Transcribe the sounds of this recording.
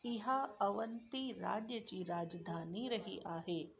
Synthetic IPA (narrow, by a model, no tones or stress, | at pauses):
ɪɦaɐʋənt̪iɾa̰ːd͡ʒjət͡ʃiɾaːd͡ʒd̪ʱaːniɾɐɦḭʔaːɦeː